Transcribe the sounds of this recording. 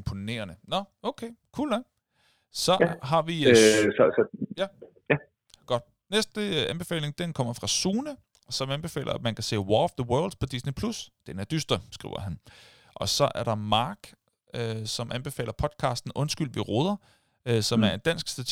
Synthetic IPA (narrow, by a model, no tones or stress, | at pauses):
mpʰo̝ne̝̰ːɐnənɒ̽ | oʊkʰekʰṵːlæ | sɒ̽ɦɑ̈ʋissjæ | jæ | ɡ̥ɒ̽d̥ | nesd̥əænb̥e̝fɛ̰ːle̝ŋd̥enkʰɒ̽m̰ɐfʁɑ̈suːnə | sɒ̽mænb̥e̝fɛ̰ːlɐæmænkʰæse̝̰ːwɒfðəwɜɐld̥pʰɒ̽d̥isnepʰlusd̥enæɐd̥ysd̥ɐsɡ̥ʁḭʊ̰ɐ̰ɦæn | ʔɒ̽sɒ̽ʔæɐɾ̥ɑ̈mɑ̈ːɡ̥ | øsɒ̽mʔænb̥e̝fɛ̰ːlɐpʰɒ̽d̥̚kʰɑ̈ːsd̥n̩ʔɔ̽nsɡ̥ylʋeʁo̝ːð̞ˠɐ | øsɒ̽mæɐe̝nd̥æn̰sɡ̥sd̥æt͡sʰ